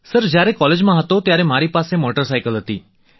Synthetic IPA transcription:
səɾd͡ʒjaɾɛkɔled͡ʒmãɦət̪ot̪jaɾɛmaɾipasemoʈəɾsajkəlɦət̪ḭ

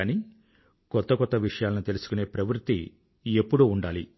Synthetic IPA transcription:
ani | kɔt̪ːɐkɔt̪ːɐʋiʂɐjaːlɐnut̪e̞lusu̥kune̞ːpɾɐʋɾt̪ːḭ | epːuɽuːɳɖaːli

